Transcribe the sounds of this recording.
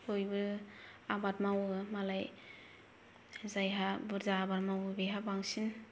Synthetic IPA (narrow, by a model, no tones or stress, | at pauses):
hojbɯabat̚mawɯmalaj | zajɦabɯɾzaːbat̚mawbajɦabaŋsin